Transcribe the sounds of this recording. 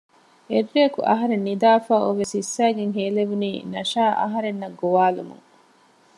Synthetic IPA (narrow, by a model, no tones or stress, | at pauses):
erːeɐkṵʔɐ̰ɦɐɾenːid̪aːfaːuʋesisːæːɡeŋɦeːleʋuniːnɐʃaːʔɐ̰ɦɐɾenːɐɡoʋaːlṵmṵŋ